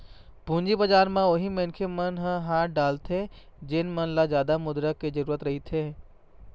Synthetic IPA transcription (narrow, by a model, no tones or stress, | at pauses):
b̥ʱũːɲd͡ʒibɐd͡ʒaːɾmãʊɦimenkʰemɐnɦə̃ɦaːʈ̚ɖaːlt̪ʰed͡ʒɪnmɐnlazjaːd̪amʊd̪ɾəkːezɐɾuːɾət̪ɾɐɦit̪ʰeː